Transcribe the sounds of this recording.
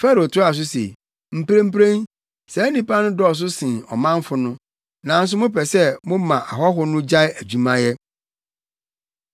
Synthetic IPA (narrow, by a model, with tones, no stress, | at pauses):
fɛ˦ɾo˨tʰʊ˦a˨s̬ʊ˦sḛ˨ | m̩˨pɾẽ˦m̩˦pɾẽ˦n | sɛ˨˦nĩ˦pa˦nʊ̃˦dɔ˦ɔ˨s̬ʊ˦sɪ̃˨ɔ̰˨mã˦ɱ˦fʊ˦nʊ̃˦ | nã˨n̩˦s̬ʊ˦mʊ̃˦pʰɛ˨sɛ˦mʊ̃˦mã˨ʔa̰˨ɦɔ˦ɦʊ˦nʊ̃˦d͡ʑa˦æ˨d͡ʑu˨mã˦jɛ˦